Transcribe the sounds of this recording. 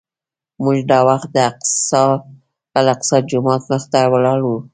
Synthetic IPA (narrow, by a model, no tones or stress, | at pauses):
muʒd̪ɑwaxt̪̚d̪əas | alaqsɑd͡ʒʊmɑt̪məxt̪awəlɑɽwu